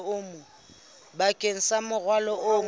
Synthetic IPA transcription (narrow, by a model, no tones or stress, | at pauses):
ʊmʊ | bakʼeŋ̩samʊɣwalɔʔʊ